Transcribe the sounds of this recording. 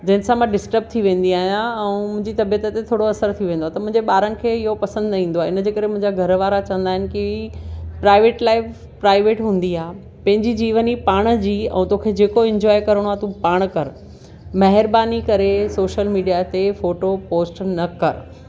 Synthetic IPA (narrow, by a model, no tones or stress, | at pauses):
d͡ʑɐ̃ɦɪnɪ̃̆sãmãɖɪsʈəb̚t̪ʰiʋẽːn̆d̪iaːɦjãɛ̃ũmʊ̃ɦɪ̃ɲd͡ʑit̪ɐbijət̪əet̪ʰoːɽoɐsəɾt̪ʰiʋẽːnd̪oaːt̪ɐmʊ̃ɦɪ̃ɲd͡ʑeɓaːɾənɪ̆kʰeːɪɦopɐsə̃nd̪ĩːnd̪oaːeɪnəd͡ʑeːkɐɾemʊ̃ɦɪ̃ɲd͡ʑaɡʱɐɾʋaːɾat͡ɕɐ̃ʋənd̪aːɦɪnɪ̆ki | pɾaːɪʋeːʈlaːɪf | pɾaːɪʋeːʈɦũːnd̪iaːɦe | pɐ̃ɦɪ̃ɲd͡ʑid͡ʑiːʋənipaːɽ̃d͡ʑiːɛ̰̃ːt̪oːkʰed͡ʑeːkoɪ̃ɲd͡ʑɔːjkɐɾəɽ̃oaːt̪ũpaːɽ̃kɐɾ | mɐɦɪɾbaːnikɐɾesoːʃəlmiːɖijat̪efoːʈopoːsʈnɐkɐɾ